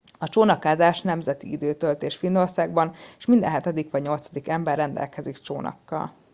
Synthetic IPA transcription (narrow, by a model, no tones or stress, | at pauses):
ɒt͡ʃoːnɒkaːzaːʃnɛmzɛt̪iid̪øːt̪ølt̪eːʃfinːo̞rsaːɡ̚bɒneʃmind̪ɛ̰nɦɛt̪ɛd̪ikʋɒɟɲo̞lt̪sɒd̪ikɛmbɛrːɛnd̪ɛ̰lkɛzikt͡ʃoːnɒ̰kːɒ̰l